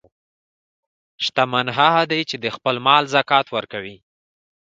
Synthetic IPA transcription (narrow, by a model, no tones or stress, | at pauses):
ʃt̪amanɦaɦad̪ajt͡ʃed̪əxpəlmɑlzakɑt̪wəɾkawi